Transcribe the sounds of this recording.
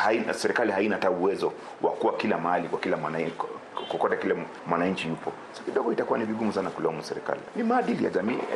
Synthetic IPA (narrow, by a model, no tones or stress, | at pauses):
haisɛɾɛkalihainataːuwɛzɔ | wʔa̰kuwakilamahalikwakilamwan | kukɔtɛkilɛ | mwanaɲ̩t͡ʃijupɔ | sakiɗɔɡɔitakuwaniviɡumusanakulɛɔmusɛɾɛka̰lḭnimaːɗilija̰ʄamiː